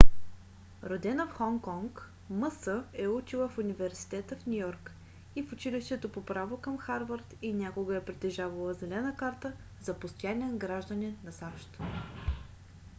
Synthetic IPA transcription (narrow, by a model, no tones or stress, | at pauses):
ɾod̪ɛnəfxɔŋkɔŋk | məsəɛut͡ʃilˠəfunivɛɾsi̥t̪ɛt̪əfnʲujɔɾk | ifʊt͡ʃiliʃt̪ɛt̪opopɾavokəmxaɾvəɾt̪inʲakoɡəɛpɾit̪ɛʒavəlˠəzɛlɛnəkaɾt̪ə | zɐpost̪ojanʲiɛnɡɾaʒd̪ənɛnɐsaʃt̪